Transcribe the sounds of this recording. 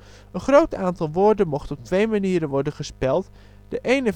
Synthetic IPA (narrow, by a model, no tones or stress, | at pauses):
ənχrowtaːntɑlˠʋʊːɹdənmɔχtɔp̚tʋejmaniːɾənʋɔɹdənχəspɛlˠt | d̥əʔejnə